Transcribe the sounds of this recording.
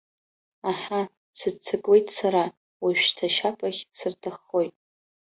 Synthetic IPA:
aħa | sɨdt͡sʰɨkʼwe̞jtʼsaɾa | waʃᶣtʰaʃapʼaχʲsɨrtʰɨχːo̞jtʼ

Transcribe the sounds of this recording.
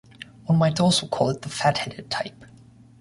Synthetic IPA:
wʌ̃nmaɪtɔlˠsoʊkʰɔlˠɪt̪̚ðəfæt̚hɛdɨd̚tʰaɪp

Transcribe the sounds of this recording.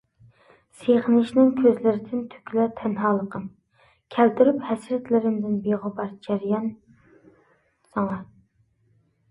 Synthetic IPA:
seʁənɪʃnɪŋkʲʰøzlɪɾɪd̪ɪnt̪ʰy̥kʲlɛt̪ʰɛnɦɑːlˠəqʰəm | kʲʰælt̪yɾyphɛsɾɛt̪lɪɾɪmd̪ɪnbeʁʊbɑɾd͡ʒæɾjɑn | sɑŋɑ

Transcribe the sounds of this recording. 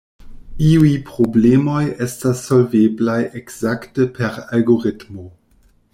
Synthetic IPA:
iujpɾoblemo̞jestasːo̞lveblajekz̥aktəpʰeɾalɡo̞ɾitmo

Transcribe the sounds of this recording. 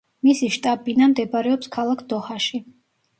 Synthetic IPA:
misiʃt̪ʼabʼinamd̪ɛbaɾɛɔpskʰalˠakʰd̪ɔhaʃi

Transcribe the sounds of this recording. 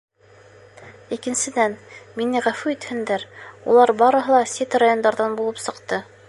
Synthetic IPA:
ikɘ̆nsɘ̆d̪ænminɘʁæfʉit̪hɘ̆nd̪æɾṵlˠɑɾbɑɾɤ̆ɦɤ̆lˠɑsʲet̪rajo̞nd̪ɑɾðɑnbulˠɤpsɤ̆qt̪ɤ

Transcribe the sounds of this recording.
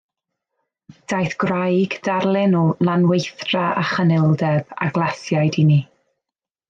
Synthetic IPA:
d̥ajθɡ̥rajɡd̥aɾlˠɪnulˠanwejθraʔaχənɛlˠdɛba̰ɡlˠasjajdini

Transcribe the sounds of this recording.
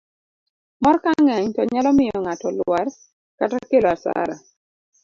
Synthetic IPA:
mɔrkaŋɛɲtɔɲalɔmɪjɔŋatɔlar | katakeloasa̰ɾa̰

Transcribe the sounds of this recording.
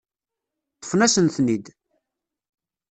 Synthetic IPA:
t̪ːˤə̥fnæsənθnid̪

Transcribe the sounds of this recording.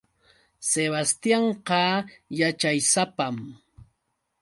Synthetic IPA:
seβast̪jɑɴqɑjat͡ʃajsapam

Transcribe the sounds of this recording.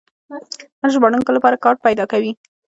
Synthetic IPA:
haɾʒbɑɽuŋkolapɑɾakɑɾʈ̚pajd̪ɑkawi

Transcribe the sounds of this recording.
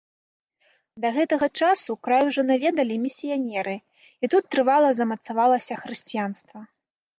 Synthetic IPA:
d̪ɐɣɛt̪ɐɣɐt͡ʂasukɾajuʐɔnavʲɛd̪ɐlʲimʲisʲijanʲɛɾɨ | it̪ut̪ːɾɨvalˠɐzɐmɐt̪savalˠɐsʲɐxɾɨsʲt͡sʲijan̪st̪vɐ

